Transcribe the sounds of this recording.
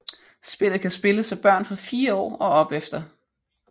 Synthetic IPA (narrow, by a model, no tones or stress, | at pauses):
sb̥e̝l̰ð̩ˠkʰæsb̥e̝ləsɒb̥ɶɐ̰nfɒ̽fiːɐɒ̰ːɒ̽ɒ̽b̥efd̥ɐ